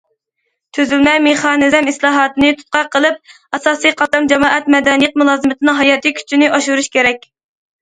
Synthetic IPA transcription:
t̪ʰøzylmɛmeχɑːnɨzɛmislˠɑːɦɑːt̪ɨnɨt̪ʰu̥t̪̚qɑqʰəlˠɨp̚ | ɑsɑːsijqʰɑt̪ɑmd͡ʒɛmɑːʔɛt̪̚mɛd̪ɛnɨjɨq̚mulˠɑːzɨmɨt̪ʰɨnɨŋɦɑjɑt̪ʰɨkʲʰy̥t͡ʃʰinɪʔɑʃuɾuʃkʲʰeɾɛkʲ

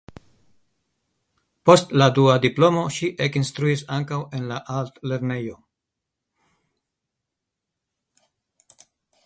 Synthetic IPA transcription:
po̞stladuad̪iplo̞mo̞ʃiʔekinst̪ɾuisaŋkawe̞nlaʔalt̪le̞ɾne̞jo̞

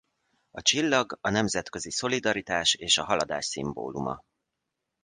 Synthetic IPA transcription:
ɒt͡ʃilːɒɡɒnɛmzɛt̪kø̞ziso̞lid̪ɒɾit̪aːʃeːʃɒɦɒlɒd̪a̰ːʃsḭmbo̰ːlumɒ̰

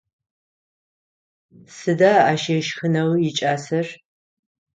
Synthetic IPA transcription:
sɨdaːaːʃeɛʃxɨnɐwjɪt͡ʃʼaːsɐr

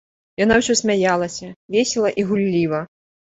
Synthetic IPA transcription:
janawsʲɔsʲmʲajalˠɐsʲɐvʲesʲɛlˠɐʔiɣulʲːivɐ

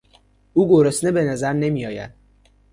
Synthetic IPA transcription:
uːɡoɾesnebe̞næzæɾne̞miːjɒːjæ̰d̪̥̚

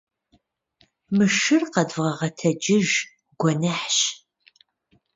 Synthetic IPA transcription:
mɨʃɨrqɐdvʁɐʁɐtʰɐd͡ʒɪʒ | ɡ̥ʷɔnɐħɕ

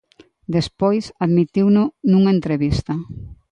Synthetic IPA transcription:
d̪espojsaðmit̪iwnʊnũŋaent̪ɾeβist̪ɐ

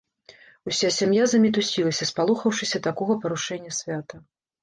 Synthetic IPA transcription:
usʲasʲamjazɐmʲit̪usʲilˠɐsʲɐspalˠuxɐwʂɨsʲɐt̪akɔɣɐpɐɾuʂɛnʲːɐsʲvʲat̪ɐ

